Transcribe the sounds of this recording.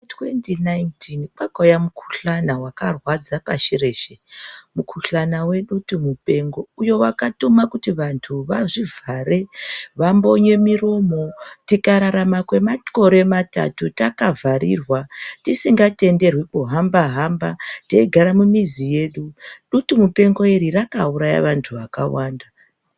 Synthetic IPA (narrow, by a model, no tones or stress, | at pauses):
twentinajntʰinkakojamukʰu̥ɬanawakarwad͡zapaʃire̞ʃemukʰuɬanawe̞ɗutumupe̞ŋɡo̞ujo̞wakatumakutiʋantʰuʋaʐivʱaɾeʋambo̞ɲe̞miro̞mo̞tikaɾaɾamakwe̞mako̞ɾe̞mata̰tutakavʱaɾḭrwatisiŋɡate̞nde̞rwikuɦambaɦambateiɡʱaɾamumizije̞ɗuɗutumupe̞ŋɡo̞eɾirakauɾaja̰ʋantʰuʋaka̰waːnda